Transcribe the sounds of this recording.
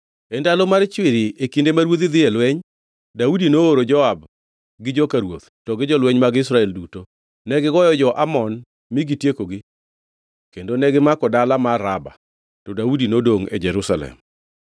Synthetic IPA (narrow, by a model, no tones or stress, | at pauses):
endalomart͡ʃwɪɾiekindemaɾwot̪id̪ɪɛlwɛɲ | daudinooɾod͡ʒɔab | ɡɪd͡ʒɔkaɾwot̪tɔɡɪd͡ʒɔlwɛɲmaɡɪsɾaɛlduto | nɛɡɪɡɔjɔd͡ʒɔʔamɔn | miɡitjekoɡɪ | kendonɛɡɪmakɔdalamaɾaba̰ | tɔdaudinodoŋḛd͡ʒɛɾusalɛ̰m